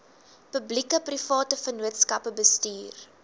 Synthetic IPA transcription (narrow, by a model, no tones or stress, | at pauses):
pœblikəprifɑːtəfənuətskɐpəbəstyːr